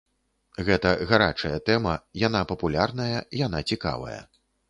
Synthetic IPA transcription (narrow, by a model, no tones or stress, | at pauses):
ɣɛt̪ɐɣaɾat͡ʂɐjɐt̪ɛmɐjan̪apɐpulʲarn̪ɐjɐijan̪at͡sʲika̰vɐ̰jɐ̰